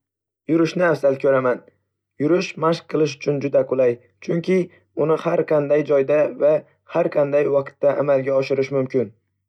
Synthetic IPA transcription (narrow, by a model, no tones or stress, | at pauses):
jʊɾɪʃnɪafzalkʲʰɵɾaman | jʊɾɪʃmaʃq̚qʰːɨlˠɪʃ̬ʊ̥t͡ʃʰʊnd͡ʒʊd̪aqʰʊlˠaj | t͡ʃʰʊŋkʲʰɪ | ʊnɪhaɾqʰɑnd̪ajd͡ʒɒjd̪ava | haɾqʰɑnd̪ajwɑqt̪ːaʔa̰malɡʲaɒʃɪɾɪʃmʊmkʲʰɪn